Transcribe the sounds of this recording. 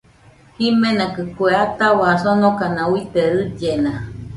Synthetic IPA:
himenakɨkweat̪aβaːsonokanauit̪eɾɨd͡ʒena

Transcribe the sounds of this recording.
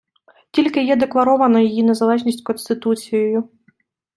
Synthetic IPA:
tʲilʲkɪjɛd̪eklˠɐɾɔʋɐnɔjijinɛzɐlˠɛʐnʲisʲkɔnst̪ɪt̪ut͡sʲijɛjʊ

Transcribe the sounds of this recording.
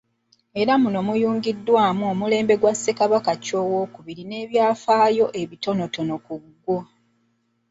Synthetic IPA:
e̞ɾamunomujuːŋɡidːwaːmuo̞mule̞ːmbe̞ɡwasːe̞kaβakaco̞ːwo̞kuβiɾine̞ːβjaːfaːjo̞ʔe̞βito̞no̞to̞no̞kuɡːo

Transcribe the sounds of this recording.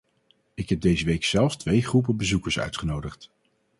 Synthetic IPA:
ɪkɦɛb̚dejzəʋejksɛlˠfstʋejχrup̬əbəzukəɹsœ̰ɥtχənowdəχt

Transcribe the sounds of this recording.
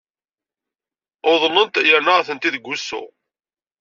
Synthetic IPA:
ʊðˤlːənt̪jəɾnaʁθənt̪iðɡʷːusːʊ̰

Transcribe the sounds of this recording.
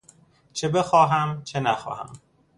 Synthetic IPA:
t͡ʃʰe̞be̞xɒːɦæmt͡ʃʰe̞næxɒ̰ːhæ̰m

